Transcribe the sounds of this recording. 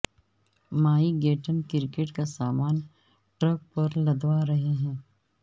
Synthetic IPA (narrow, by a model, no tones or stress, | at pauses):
maːiɡeːʈənkɪɾɪkeʈkasaːmaːn | ʈɾɐk̚pɐɾlɐd̪waɾɐɦeɦɛ̃ː